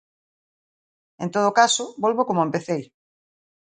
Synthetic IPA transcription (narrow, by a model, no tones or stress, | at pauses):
ent̪oð̞okasʊbolβokomoempeθej